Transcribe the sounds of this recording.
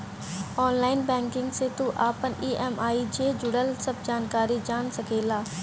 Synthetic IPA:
ɔːnlaːɪnbɛ̃ːŋkɪ̃ŋɡset̪uʔaːpəniːʔɛːmaːid͡ʑeːd͡ʒʊɽəlsɐb̚d͡ʒaːnkaːɾid͡ʒaːñsɐɡʱeːlaː

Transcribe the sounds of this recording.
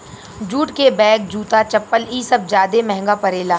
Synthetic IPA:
d͡ʒuːʈkebɛːk̚d͡ʒuːt̪at͡ʃɐpːəliːsɐb̚zjaːd̪emɛ̃ɦŋɡapɐɾeːlaː

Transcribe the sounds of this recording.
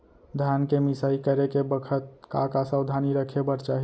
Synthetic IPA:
d̪ʱjankemɪsaːikəɾekebəkʰət̪̚ka̰kasəʊd̪ʱaniɾəkʰebəɾt͡ʃaɦi

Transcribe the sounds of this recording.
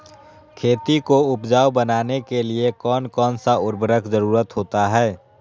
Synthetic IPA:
kʰeːt̪ikoʊpd͡ʒaːwbənaːnekeliekɔːnkɔːnsaʊɾbəɾəkʰzəɾuːɾət̪ɦoːt̪aɦɛː

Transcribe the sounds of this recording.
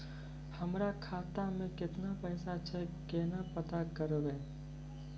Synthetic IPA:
hɐmɾakʰaːt̪amẽkɪt̪napɛːsat͡ʃʰɛkeːnapɐt̪akɐɾʋɛ

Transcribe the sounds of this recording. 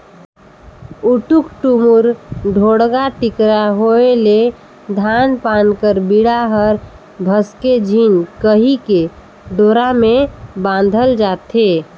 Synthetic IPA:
uʈukʈumuɾɖʱoɽɡaʈikɾaɦoele | d̪ʱanpankəɾbiɽaɦəɾ | bʱəsked͡ʒʱinkəɦike | ɖoɾamebãnd̪ʱəld͡ʒat̪e

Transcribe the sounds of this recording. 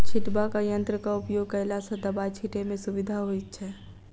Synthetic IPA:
t͡ʃʰɪʈbakajə̃nt̪ɾəkaʊpjoːɡ̚kɐlasəd̪əbat͡ʃʰiʈemẽsʊʋɪd̪ʱaɦoit̪̚t͡ʃʰɛː

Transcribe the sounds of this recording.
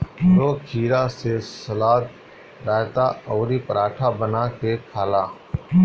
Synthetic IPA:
ɾoːkʰiːɾaːsesəlaːt̪ | ɾaːt̪aːɔːɾipəɾaːʈʰabənaːkekʰaːlaː

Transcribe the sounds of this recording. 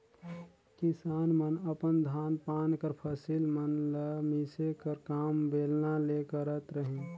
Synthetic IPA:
kɪsaːnmənəpənd̪ʱaːnpaːnkəɾpʰəsilmənləmisekəɾkaːmbeːlnalekəɾət̪ɾəɦẽ

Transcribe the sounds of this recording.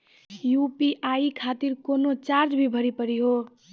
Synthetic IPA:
jupiʔaikʰat̪iɾkonot͡ʃaɾd͡ʒbʱibʱʌɾipʌɾiɦo

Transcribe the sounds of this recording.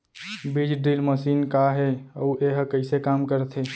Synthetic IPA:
bid͡ʒɖɾilməsinkaɦeəuʔeɦəkəɪsekamkəɾt̪ʰɦe

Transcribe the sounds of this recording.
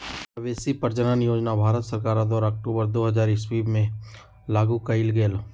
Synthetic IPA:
əʋeːsipəɾd͡ʒənanɪjoːd͡ʒnabʱaːɾət̪səɾkaːɾad̪ɔːɾaɐk̚ʈuːbəɾd̪oːɦɐzaːɾɪswiːbmẽ | laːɡukɐɪlɡeːl

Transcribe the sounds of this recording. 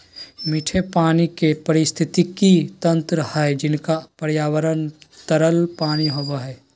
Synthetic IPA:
miʈʰepaːnikepəɾɪst̪ʰɪt̪ikit̪ɐ̃nt̪ɾəhɛd͡ʒɪnkapəɾjaːwəɾənt̪əɾəlpaːniɦoʋaɦɛː

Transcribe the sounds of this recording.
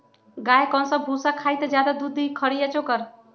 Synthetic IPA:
ɡajkɔ̃nsʌbʱusakʰajt̪ʌd͡ʒjad̪ad̪ud̪ʱːikʰʌɾijet͡ʃokʌɾ

